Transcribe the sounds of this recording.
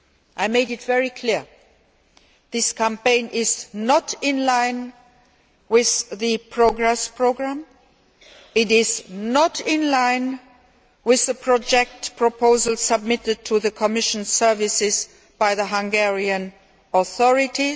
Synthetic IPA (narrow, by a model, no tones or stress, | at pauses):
ʔaɪmeɪɾɨtvɛɹikʰl̥iɹ | ðɪskʰæ̃mpẽɪ̃nʔɪznəɾɪ̃nlãɪ̃n | wɪððɨpʰɹ̥oʊɡɹɛspʰɹ̥oʊɡɹæ̃m | ɪɾɪznəɾɪ̃nlãɪ̃n | wɪðəpʰɹ̥ɔd͡ʒɛk̚tpʰɹ̥əpʰoʊzəlˠsəb̚mɪtɨd̚tʰɨðɨkʰəmɪʃə̃n̩sɜ˞vɨsɪz | b̥aɪðəɦãŋɡɛɹiɨ̃n | ɔθɔɹɪti